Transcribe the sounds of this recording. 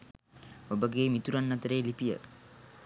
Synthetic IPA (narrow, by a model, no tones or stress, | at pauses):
obəɡeːmit̪uɾanːat̪əɾeːlipijə̰